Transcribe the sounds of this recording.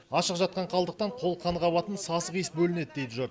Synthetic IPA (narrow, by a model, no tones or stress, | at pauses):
ɑʃəqʒɑt̪̚qɑɴqʰɑlˠd̪əq̚t̪ɑɴqʰo̞lˠqʰɑnəʁɑbɑt̪ənsɑsəʁijəsbɵlɪne̞d̪ɪd̪ejt̪ɪʒoɾ